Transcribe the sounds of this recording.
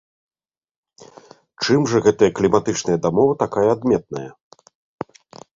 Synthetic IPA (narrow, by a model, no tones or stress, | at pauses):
t͡ʂɨmʐɐɣɛt̪ɐjɐklʲimat̪ɨt͡ʂnɐjɐd̪amɔvɨt̪akajɐːd̪mʲɛt̪̚nɐ̰jɐ̰